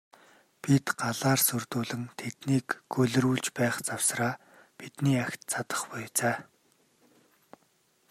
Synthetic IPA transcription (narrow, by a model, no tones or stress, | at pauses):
pit̪ɢaɮaːrsɵrt̪uːɮɘ̆ŋt̪ʰet̪niːkːɡɵɮɵ̆ruːɮt͡ɕpæːχt͡saw̥sraː | pit̪niːaxʲt̪t͡sʰat̪ə̥̆χpɔjt͡saː